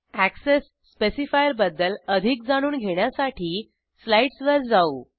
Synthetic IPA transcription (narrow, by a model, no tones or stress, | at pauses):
æksesːpesifajəɾbəd̪ːələd̪ʱik̚d͡zaɽ̃uːnɡʱeɳjasaʈʰiː | slaiʈsʋəɾd͡zau